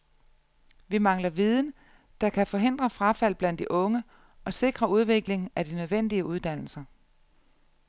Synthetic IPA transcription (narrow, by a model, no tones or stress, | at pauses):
ʋimɑ̈ŋlɐʋið̞ˠn̩ | d̥ɑ̈kʰæfɒ̽ɦe̝n̰d̥ʁɐfʁɑfæl̰b̥læn̰d̥iʔɔ̽ŋə | ʔɒ̽se̝ɡ̥ʁɐuð̞ˠʋe̝ɡ̥le̝ŋn̩æd̥inøð̞ˠʋen̰d̥iəuð̞ˠd̥æn̰l̩sɐ